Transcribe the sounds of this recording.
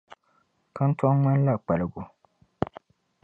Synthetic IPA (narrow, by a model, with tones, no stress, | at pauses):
ka˦n̩˦ta˦ŋŋɛ˦n˦la˦˨k͡pa˨lɨ˨ɡʊ˨